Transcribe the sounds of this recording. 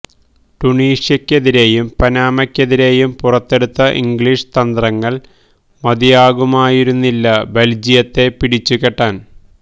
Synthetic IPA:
ʈuɳiːʂjɐkʲːe̞ðiɾe̞ːjumpɐnaːmɐkʲːe̞ðiɾe̞ːjumpurɐt̪ːe̞ɽut̪ːɐʔḭŋɡɭiʂt̪ɐnd̪rɐŋːɐɭ | mɐd̪ijaːɣumaːjiɾunːilːɐbeld͡ʑijɐt̪ːe̞piɽit͡ɕːukeʈːaːn

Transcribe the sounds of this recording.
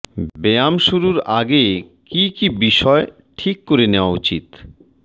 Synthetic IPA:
beamʃuɾuɾaɡekikibiʃɔe | ʈʰikːoɾeneoaut͡ɕit̪

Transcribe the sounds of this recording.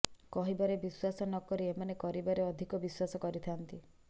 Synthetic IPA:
kɔɦibaɾebiswasɔnɔkɔɾiemanekɔɾibaɾeɔd̪ʱikɔbiswasɔkɔɾit̪ʰant̪i

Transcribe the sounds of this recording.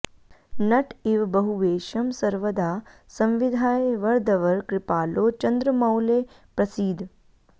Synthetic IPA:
nɐʈʰiʋbɐɦuʋeːʃɐmsɐɾʋəd̪ʱaːsɐ̃mʋid̪ʱaːjʋɐɾd̪ɐʋɐɾkɾɪpaːloːt͡ʃɐ̃nd̪ɾəmɐwleː | pɾɐsiːd̪ʱ

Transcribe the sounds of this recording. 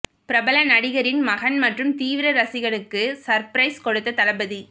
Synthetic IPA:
pɪɾɐbɐlɐnɐɽɪɣɐɾɪnmɐɣɐnmɐʈrɯmt̪iːʋɪɾɐɾɐsɪɣɐɳɯkːɯsɐɾpɪɾɐɪskɔɽɯt̪ːɐt̪ɐlɐbɐði

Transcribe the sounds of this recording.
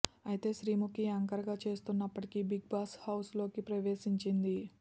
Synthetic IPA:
ɐjit̪e̞ːʃɾiːmukːiɐŋkɐɾɐɡaːt͡ʃe̞ːst̪unːɐpːɐʈikibiɡ̚baːshɐwslo̞ːkipɾɐʋe̞ːʃiɲt͡ʃind̪i

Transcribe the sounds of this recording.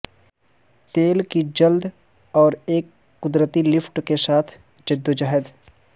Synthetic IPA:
t̪eːlkid͡ʒɐld̪ | ɔːɾeːkː | ʊd̪ɾət̪ilɪfʰʈkesaːt̪ʰ | d͡ʒɪd̪ːod͡ʒaɦəd̪

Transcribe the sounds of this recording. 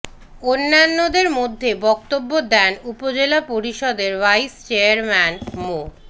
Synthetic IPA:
onːanːod̪eɾmod̪ʱːebɔk̚t̪obːod̪ɛnupod͡ʑelapoɾiʃɔd̪eɾvajst͡ɕeaɾmɛnmo

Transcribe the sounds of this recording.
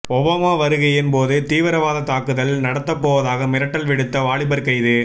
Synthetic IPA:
ɔbaːmaːʋɐɾɯɣɐɛnpoːðɯt̪iːʋɐɾɐʋaːðɐt̪aːkɯðɐlnɐɽɐt̪ːɐpːoːʋɐðaːɣɐmɪɾɐʈːɐlʋɪɽɯt̪ːɐʋaːɭɪbɐɾkɐɪðɯ

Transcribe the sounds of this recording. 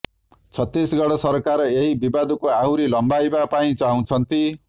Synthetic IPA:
t͡sʰʌt̪ːisɡʌɽʌsʌɾkaɾʌeɦibibad̪ukoaɦwɾilʌmbajbapaĩt͡saɦũt͡sʰʌnt̪i

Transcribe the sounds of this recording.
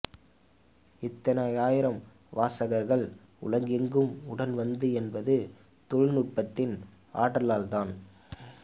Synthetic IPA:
ɪt̪ːɐnɐjaːjɪɾɐm | ʋaːsɐɣɐɾɣɐɭ | ʊ̰lɐŋɡɪŋɡɯmʊɽɐnʋɐnd̪ɯɛnbɐðɯ | t̪ɔɻnʊʈ̚pɐt̪ːɪn | ʔa̰ːʈːɐlaːlt̪aːn

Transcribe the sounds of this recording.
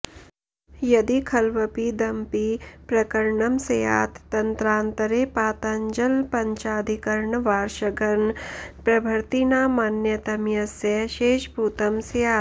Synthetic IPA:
jɐd̪ikʰɐlʋɐpid̪ɐmpipɾɐkɐɾɳɐmsɐja̰ːt̪ːɐnt̪ɾãːnt̪ɐɾepaːt̪ɐɲd͡ʒɐlpɐɲt͡ʃaːd̪ʱikɐɾɳʋaːɾʃɐɡɐɾnpɾɐbʱɐɾt̪inaːmanjɐt̪ɐmjɐsjɐʃeːʃbʱuːt̪ɐmsɐjaː

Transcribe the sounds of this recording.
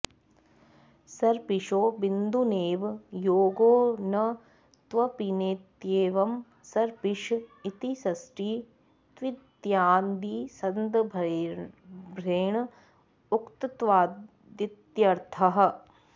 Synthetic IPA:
sɐɾpiʂoːbind̪uneːʋjoːɡoːnɐ | t̪ʋɐpineːt̪jeːʋɐm | sɐɾpiʃit̪isɐsʈiː | t̪ʋid̪jaːnd̪iːsɐnd̪ | bʱɾeːɳɐ | ukt̪ɐt̪ʋaːd | d̪it̪jɐɾt̪ʰɐɦɐ̆

